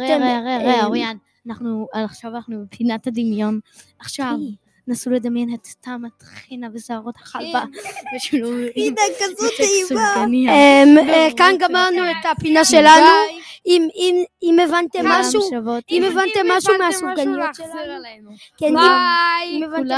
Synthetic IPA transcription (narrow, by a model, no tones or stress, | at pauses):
eʁeaʁeaejajan | anaχnualaχʃavanaχnubepʰinathad̪imjo̞naχʃav | nasuled̪amjenet̪ːamat̪χinavesaːʁo̞t̪haχalbaveʃilumekazivsuaaniaemekanɡamaʁnuet̪apinaʃelanu | imimimevant̪emmːaʃuavotimevant̪emaʃumaʃuɡanijoel | kenimeval